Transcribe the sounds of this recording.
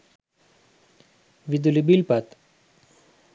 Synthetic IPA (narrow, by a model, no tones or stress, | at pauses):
ʋid̪ulibilpat̪